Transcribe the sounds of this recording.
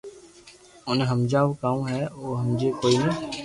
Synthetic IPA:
ʊnẽɦəmd͡ʒaːʋokaːõɦɛoːɦəmd͡ʒekoːine

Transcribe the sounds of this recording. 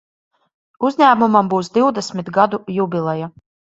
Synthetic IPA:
uzʲɲʲæːmumambuwsd̪iwd̪ɛsʲmʲit̪ɡad̪ujubʲilˠɛja

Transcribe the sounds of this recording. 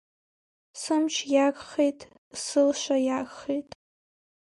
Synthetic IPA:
sɨmt͡ʃʰjakχejtʼ | sɨlʃʷajaɡʼχejtʼ

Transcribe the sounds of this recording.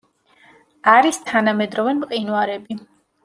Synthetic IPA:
aɾist̪ʰanamɛd̪ɾɔvɛnmqʼinwaɾɛbi

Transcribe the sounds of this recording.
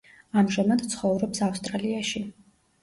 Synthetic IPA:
amʒamad̪̥t̪sʰχɔvɾɔpsafst̪ʼɾaliaʃi

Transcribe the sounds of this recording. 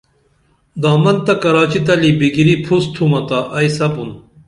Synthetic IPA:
d̪aːmɐnt̪ɐkɐɾaːt͡ɕit̪ɐlibiɡiɾipʰust̪ʰumɐt̪ɐʔɐjsɐbun

